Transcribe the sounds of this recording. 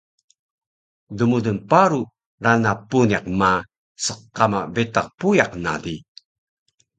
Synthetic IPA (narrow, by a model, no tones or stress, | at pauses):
dumudunpaɾu | ɾanapuniqma | səqːamabetaq̚pujaqna̰di